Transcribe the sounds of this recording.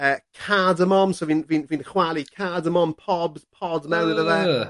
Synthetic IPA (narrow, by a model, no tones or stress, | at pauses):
əːkʰadəmɔmsɔvinviːnvinχwalikʰadəmɔmpʰɔbpʰɔdmɛwnɪðəðɛ